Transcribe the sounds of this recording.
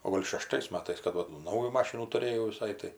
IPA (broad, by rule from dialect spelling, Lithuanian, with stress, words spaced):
oː ˈɡoːlʲ ʃʲɛˈʃtɐɪs ˈmɑːtɐɪs kɐt ˈʋɐ tuː ˈnɐʊjuː ˈmɑːʃʲɪnuː tʊˈrʲeːjɛʊ ʋʲɪˈsɐɪ tɐɪ